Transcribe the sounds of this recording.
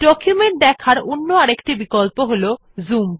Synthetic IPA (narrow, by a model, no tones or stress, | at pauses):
ɖɔkjumeɳʈ̚d̪ɛkʰaɾonːoaɾekʈibikolpoɦolo | zum